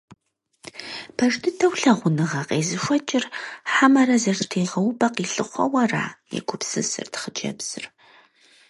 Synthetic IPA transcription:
pʰɐʒdʰɨtʰɐwɬɐʁʷʊnɨʁɐqʼeːzɨʃʷɔt͡ʃʼɪrħamɐɾɐzɐrtʰiːʁɐwbɐqiːɬɨχʷɐ̰wɐra̰ːjɛ̰ɡʷʰʊpsɨsɨ̰rtʰχəd͡ʒɐ̰bz̥ɨr

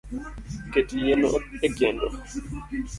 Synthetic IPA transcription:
ketijeno̰eɡɛndo̰

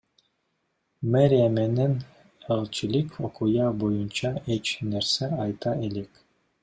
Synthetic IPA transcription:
meɾʲemenen | elˠt͡ʃilikokujɑbojunt͡ʃɑet͡ʃneɾseɑjt̪ɑʔelek

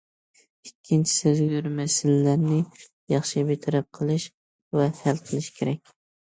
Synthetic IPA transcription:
ɪkʲʰːɪnt͡ʃʰɪ̥sɪzɡyɾmæsɪlːæɾnɪ | jɑχʃɪbet̪ʰɾap̚qʰɨlˠɪʃ | væhælˠqʰɨlˠɪʃkʲʰeɾɛk̚ʲ

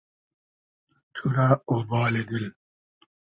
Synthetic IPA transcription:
t̪ʰuɾaobaːled̪il

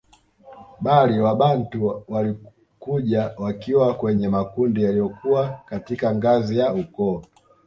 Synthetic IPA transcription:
ɓaliwaɓantuwali | kuʄawakiwakwɛɲɛmakundijalijɔkuwakatikaŋɡazijaukɔː

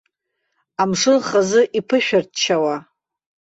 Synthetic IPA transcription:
amʂɨlχazɨʔipʰɨʃᶣart̚ʰt͡ʃʰawa

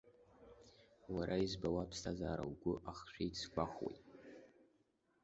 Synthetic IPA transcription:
waɾʔaizbawapʰstʰazaːɾa̰wɡʷʊʔaχʃʷᶣijt͡sʰkʷaχwḛjtʼ

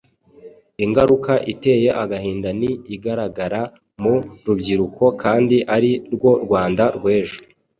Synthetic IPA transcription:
iŋɡaɾukaʔite̞ːje̞ʔaɡahiːndaniːɡaɾaɡaɾa | muɾubɟiɾukʰo̞kaːndiʔaɾiɾɡwo̞ɾɡwaːndaɾɡwe̞ːʒo̥

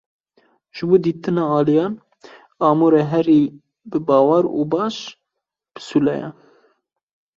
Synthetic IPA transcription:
ʒ̥ɨboːd̪iːt̪ɨnɑːɑːlijɑːn | ɑːmoɾɛɦɛɾiː | bɨbɑːwɑɾṵbɑːʃ | b̥ɨ̥sulɛjɛ̰

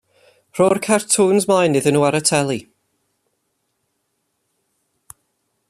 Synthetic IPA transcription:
r̥ɔrkʰartʰuːnzmajnːɨðənuːaɾətʰɛlˠi

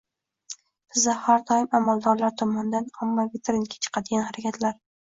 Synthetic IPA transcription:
b̥ɪzahaɾd̪ɒjɪmamalˠd̪ɒɾlaɾt̪ʰɒmɒnɪd̪anamːavɪt̪ʰeɾɪnkʲʰḁt͡ʃʰɨ̥qʰɑd̪ɪɡʲanhaɾakʲʰat̪ʰlaɾ

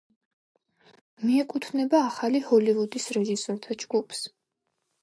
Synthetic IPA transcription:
miɛkʼut̪ʰnɛbaːχalihɔlivud̪isɾɛʒisɔɾt̪ʰad͡ʒɡupʰs

